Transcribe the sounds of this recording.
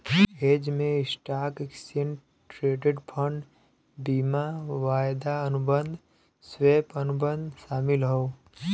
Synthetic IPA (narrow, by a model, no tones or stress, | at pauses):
eːd͡ʒmẽɪsʈaːkɪksən | ʈɾeːɖeɖpʰə̃ɳɖ | biːmaʋaːjd̪aənʊbə̃nd̪ʱ | sweːpənʊbə̃nd̪ʃaːmɪlɦoː